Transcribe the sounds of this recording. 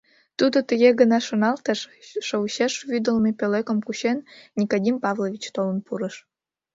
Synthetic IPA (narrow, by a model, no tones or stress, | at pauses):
t̪ud̪ot̪əɣeɣənɑʃonɑlt̪əʃːəuɕeʃβyd̪əlmepølekəmkuɕennʲikodʲimpɑvlovʲit͡ɕt̪olənpuɾəʃ